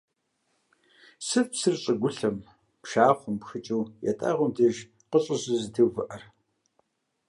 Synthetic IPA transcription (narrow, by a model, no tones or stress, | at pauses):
sɨfsɨrɕʼəɡʷʊɬɐm | pʂaːχʷʊmpxɨt͡ʃʼuːjɛ̰tʼa̰ʁʷʊmdʰɨʒ | qəɕʼɨzɨzɨdʰɨwvɨʔɐr